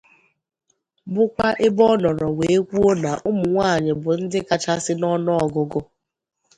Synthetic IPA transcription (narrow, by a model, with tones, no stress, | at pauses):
bʊ˦kʷa˦ʔɪ˦bɔ˦nɔ˨ɾɔ˨we˨e˦kʷu˦o˦na˨ʔʊ˦mʊ˨ŋʷaː˦˨ɲɪ˨bʊ˨n̩˦dɪ˦ka˨t͡ʃa˦sɪ˦nɔ˦nɔ˦ɔ˨ɡʊ˦ɡʊ˦